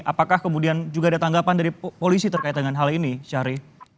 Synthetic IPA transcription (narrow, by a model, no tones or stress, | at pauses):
ʔa̰pakahkəmudiand͡ʒuɡaːdat̪aŋɡapandaɾipolisit̪ərkait̪̚dəŋanɦaliniʃaɾi